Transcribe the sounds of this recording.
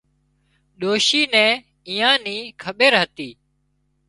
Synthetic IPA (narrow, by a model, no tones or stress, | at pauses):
ɗoːʃiːnɛ̃ː | iːãːniːkʰəɓeːɾɦət̪iː